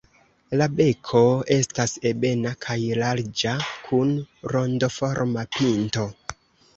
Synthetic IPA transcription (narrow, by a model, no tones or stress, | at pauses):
labe̞kʰo̞e̞stase̞be̞nakʰajlaɾd͡ʒakʰunɾo̞ndofo̞ɾmapinto̞